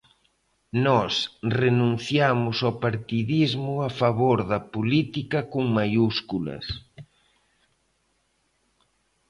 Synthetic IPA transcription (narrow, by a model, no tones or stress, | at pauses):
nɔsrenũn̟θjamʊsopaɾt̪iðizmʊafaβoɾðɐpolit̪ikɐkoŋmajuskulɐ̰s